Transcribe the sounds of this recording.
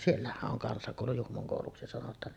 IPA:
sielːæhæʔ ʔoŋ kɑnsɑkoˑulu juhmoŋ koˑuluksi sɑnotˑɑːn

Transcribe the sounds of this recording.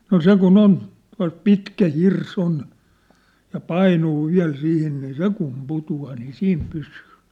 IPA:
no se kun on tuɑ̝lt pitkæ hirs on jɑ pɑinuː ʋiæ̞l sihin niː se kum putuɑː niː siːm pysyː

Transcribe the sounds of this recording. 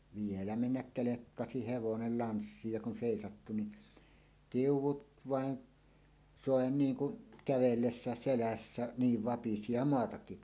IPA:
ʋielæ menːæk kelekːɑsi heʋonel lɑnsːiːj jɑ kun seˑisɑtːu ni tiuwˑut ʋɑˑen soˑe niːŋ kun kæʋelːesːæˑes selæsːæ niːʋ ʋɑpisi jɑ moɑtɑkːik

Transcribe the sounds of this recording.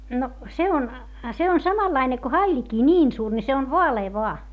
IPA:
no se on se on sɑmɑlːɑine ko hɑilʲikiː nʲiːn suːr ni se on ʋoɑleː ʋoɑ

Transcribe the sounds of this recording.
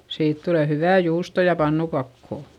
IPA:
siːt tule hyʋæˑ juːsto jɑ pɑnːukɑkːoˑ

